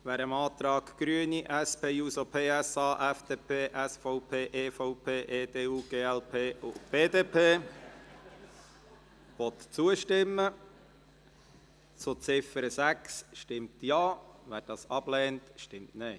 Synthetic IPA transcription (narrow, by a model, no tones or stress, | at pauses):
ʋæːɾəmɑːt̪ɾɑːkɡ̥ɾyəniʔæspeːjuːsopʰeːɛsɑːʔɛfd̥eːpʰeːʔɛsfɔʊpʰeːʔeːfɔʊpʰeːʔeːdeːuːɡ̥eːɛlpʰeːʊb̥eːd̪eːpʰeː | ʋɔt̪t͡suəʃtɪmːə | t͡sot͡sɪfəɾəsæksʃtɪmtjɑːʋæːɾd̥ɑːsɑb̥lɛːntʃtɪmtnɛɪ